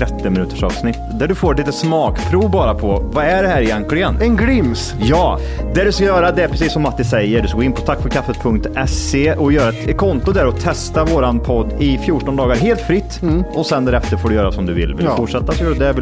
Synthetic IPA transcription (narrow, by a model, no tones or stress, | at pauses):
ɾɛt̪ːɪmɪnʉːt̪ə̥ʂɑ̰ːvsnɪt̪ːd̪æɖɵfoːɾɛt̪liːt̪əsmɑːkpʰɾuːvbɑːɾapʰɔvaæɖɛhæːɾɪjɛnklɪɡənɛnɡɾɪms | jɑː | d̪æɖɵskajœːɾad̪ɛæɾpʰɾɛsiːsːɔmːat̪ːɪsɛjːəɖɵskaɡoːɪnpʰɔt̪ʰakːfœɾkʰafːət̪̚pʰɵŋk̚t̪ɛseʔɔjœːɾaɛt̪kʰɔnt̪ʊd̪æɾɔt̪ʰːɛst̪avoːɾanpʰɔd̪ːɪfjuːʈɔnd̪ɑːɡaɾɦeːlt̪fɾɪt̪ːɔsɛnd̪æːɾɛft̪əɾfoːɖɵjœːɾasɔmd̪ɵvɪ̰lvɪlfʊʈʂɛt̪ːasɔjɔːɾd̪ɛ